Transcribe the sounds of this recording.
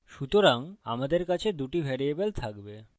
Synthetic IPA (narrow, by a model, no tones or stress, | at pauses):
ʃut̪oɾaŋa̰mad̪eɾkat͡ɕʰed̪uʈibʱɛɽiebelt̪ʰakbe